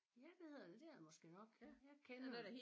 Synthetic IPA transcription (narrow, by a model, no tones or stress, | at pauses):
jæʋ̥eheð̰ˠɐd̥e̝d̥eɐ̰mɒ̽sɡ̥e̝̰nɒ̽ɡ̥jɑɪkʰenɐe